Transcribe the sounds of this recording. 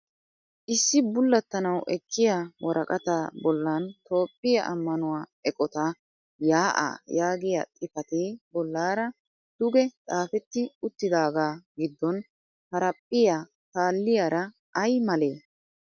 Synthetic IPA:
ʔɪsːɪbʊlːɐt̪ːɐnɐwɛkʰːɪjawɔɾʔɐkʼɐt̪aːbɔlːant̪o̞ːpʼːɪjɐʔɐ̰mːɐnʊwaːɛkʼɔt̪a | jaːʔa̰ːjaːɡɪjat̪ʼɪfɐt̪eːbɔlːaːɾɐ | d̪̥ʊɡɛt͡sʼaːfɛt̪ːɪʊt̪ːɪd̪aːɡaːɡɪd̪ːɔn | hɐɾɐpʼːɪjaː | t̪aːlːɪjaːɾɐ | ʔɐjmɐle̞ː

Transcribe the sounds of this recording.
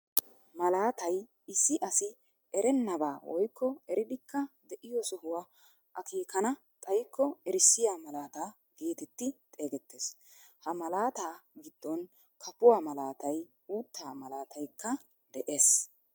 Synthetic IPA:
mɐlaːt̪ɐj | ɪsːɪʔɐsɪ | ɛɾɛnːɐbaːwɔ̰jkːɔɛɾɪd̪ɪkːɐd̪ɛʔɪjɔsʊhʊwa | ʔɐkʰiːkɐnɐ | t̪ʼɐjkʰːɔɛɾɪsːɪjaːmɐlaːt̪aː | ɡ̥eːt̪ɛt̪ːɪt̪ʼe̞ːɡɛt̪ʰːe̞ːs | hɐmɐlaːt̪aːɡɪd̪̥ːɔn | kʰɐpʊwaːmɐlaːt̪ɐj | uːt̪ːaːmɐlaːt̪ʰɐjkːɐ | d̪ɛʔe̞ːs

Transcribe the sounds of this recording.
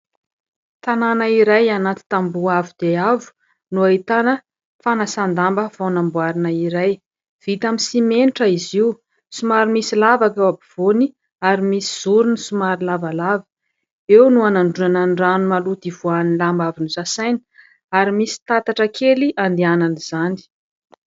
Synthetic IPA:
t̪ananaiɾajanat̪i̥t̪ambuavud̪̥eavu̥ | nuaɦit̪anə | fanasand̪ambəv̥awnambuaɾinaiɾaj | v̥it̪aminsimeniʈ͡ʂəiziu | sumaɾimisilavakawabiv̥oni | aɾimisi̥z̥uɾunisumaɾilavalavə̥ | ewnuanaɳɖ͡ʐuananɖ͡ʐanumalut̪iv̥uanilambavinusasajni̥ | aɾimisi̥t̪at̪aʈ͡ʂəkʰeliʔand̪iananiz̥ani̥

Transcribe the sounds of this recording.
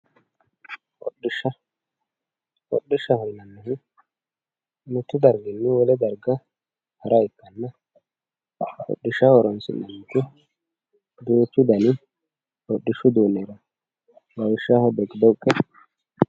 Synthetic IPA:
ʔɔ̰ɗɪʃɐ | ɔ̰ɗːɪʃːɐhɔjnɐnːɐhɪ | nʊt̪ːʊd̪ɐɾɡɪnːɪwɔlɛd̪ɐɾɡɐ | hɐɾɐɪkːɐnːɐ | ɔ̰ɗːɪʃɐwɔɾɔnsɪ̰nːɐnt̪ːɪ | d̪uːt͡ʃːʊd̪ɐnɪ | ɔɗːɪʃʊd̪uːneːɾɐ | ɡɐwɪʃːahɔd̪ɛɡd̪ɔʊkʼːɛ

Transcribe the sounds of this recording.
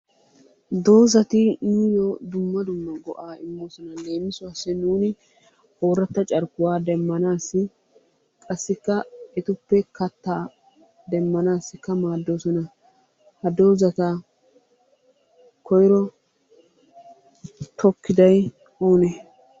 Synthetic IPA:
d̪o̞ːzɐt̪ɪnʊjod̪ʊmːɐd̪ʊmːɐɡɔ̰ʔaːɪmːo̞ːsɔnɐle̞ːmːɪsʊɐsːɛnuːnɪ | ʔoːɾɐt̪ːɐt͡ʃʼɐɾkːʊwaːd̪ɛmːɐnaːsːɪ | kʼɐsːɪkːɐɛt̪ʊpːɛkɐt̪ːaː | d̪ɛmːɐnaːsːɪkːɐmaːd̪ːo̞ːsɔnɐ | hɐd̪o̞ːzɐt̪ɐ | kɔjɾɔ | t̪ʰɔkːɪd̪ɐj | oːnɛ

